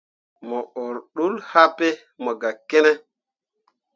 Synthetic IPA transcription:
mɔ˨o˨ɾɗu˦lha˦pe˦ | mɔ˨ɡa˨ke˦nɛ˦

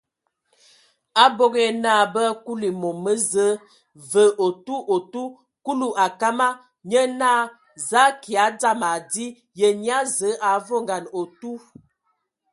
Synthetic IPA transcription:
a˦bo˦ɡe˦na˦˨bə˦ku˦li˨mo˨mə˦zə˦ | və˨˦ʔo˨tu˦ʔo˨tu˦ | ku˦lu˦ʔa˨ka˦ma˦ | ɲə˦na˦ | za˦ki˨a˨˦da˦ma˨di˦ | jə˨ɲ˦a˦zə˨˦ʔa˨˦vo˦ŋɡa˨no˨tu˦

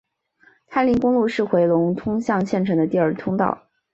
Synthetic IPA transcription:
t̪ʰa˥nli˧˥ŋkʊ˥ŋlu˥˧ʂɻ̩˥˩xwe˧˥ɪlʊ˧˥ŋt̪ʰʊ˥ŋɕjɑ˥˧ŋɕjɛ˥˩nʈ͡ʂʰɤ˧˥ŋd̪ə˧t̪i˥˧ə˞˥˩t̪ʰʊ˥ŋt̪ɑ̰˥˩ʊ

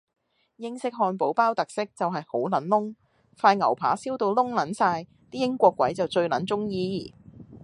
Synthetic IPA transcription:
jɪ˥ŋsɪ˥k̚ɦɔː˧npo˨˥wpaː˥wt̪ɐ˨k̚sɪ˥k̚t͡sɐ˨wɦɐ˨jho̰˨˥wlɐ˨˥nlʊ˥ŋ | faː˧jŋɐ̰˨˩wpʰa̰ː˨˥siː˥wt̪o˧wlʊ˥ŋlɐ˨˥nsaː˧j | t̪iː˥jɪ˥ŋkʷɔː˧kːwɐ˨˥jt͡sɐ˨wt͡ʃɵ˧ɥlɐ˨˥nt͡sʊ˥ŋjiː˧˨˩

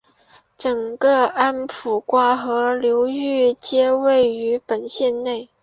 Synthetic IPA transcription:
ʈ͡ʂɤ˨˩ŋɡə˥˧a˥npʰu˨˩kwa˥xɤ˧˥ljo˧˥ʊy˥˩˧t͡ɕjɛ˥we˥˩ɪy˧˥pə˨˩nɕjɛ˥˧nne˥˩ɪ

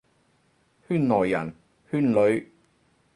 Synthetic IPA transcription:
hyː˥˩nːɔː˨˩jːɐ̰˨˩n | hyː˥˩nlɵ˨˥ɥ

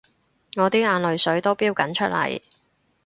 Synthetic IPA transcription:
ŋɔː˨˧t̪iː˥aː˨˧nlɵ˨ɥsɵ˨˥ɥt̪o˥wpiː˥wkɐ˨˥nt͡ʃʰɵ˥t̚lɐ̰˨˩j

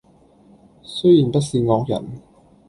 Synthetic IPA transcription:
sɵ˥jiː˨˩npɐ˥t̚siː˧ŋɔː˧k̚jɐ̰˨˩n

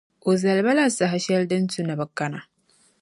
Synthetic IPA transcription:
ʔo˨zɐ˨lba˦la˦˨sa˨ɦa˦ʃɛ˦ldɐ˦ntu˦na˨bɐ˨kːa˦na˨

